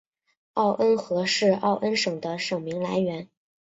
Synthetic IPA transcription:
ɑ˥˩ʊʔə˥nxɤ˧˥ʂɻ̩˥˧ɑ˥˩ʊʔə˥nʂɤ˨˩ŋd̪ə˦ʂɤ˨˩ŋmi˧˥ŋla˧˥ɪɥɛ˧˥n

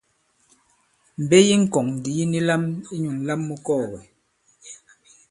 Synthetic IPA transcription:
m̩˨be˦ji˦ŋ̩˨kɔ˨ŋn˨di˨ji˦ni˦la˦mi˦ɲu˨ŋ˨˦la˦mːu˦kɔː˦˨ɣɛ˨

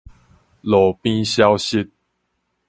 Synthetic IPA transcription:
lɔ˨˦pi˦ɕja˦ʊɕi˦t̪̚

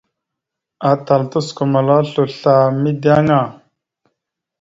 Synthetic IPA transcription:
a˨ta˨ltu˦sko˨ma˨la˦ɬu˨ɬa˨mi˦di˦a˦ŋa˨

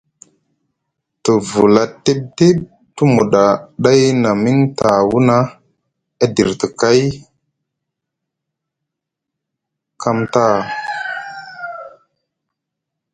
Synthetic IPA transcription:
tə˨vu˨la˨te˦ɓ̚te˦ɓ̚ | tu˦mu˨ɗa˨ɗa˦jna˨mi˦ŋta˨wu˦na˦ | a˦di˨ɾtə˨ka˦j | ka˦mta˦˨

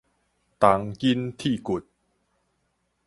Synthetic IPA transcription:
t̪a˨˦ŋki˦nt̪ʰi˥˩ku˨˩t̪̚

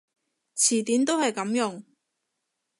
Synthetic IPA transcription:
t͡sʰiː˨˩t̪iː˨˥nt̪o˥whɐ˨jkɐ˨˧˥mjʊ˨˧ŋ

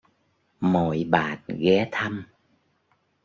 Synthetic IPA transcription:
mo˨˩˨jɓaː˨˩n̚ɣɛ˨˦t̪ʰə˧m

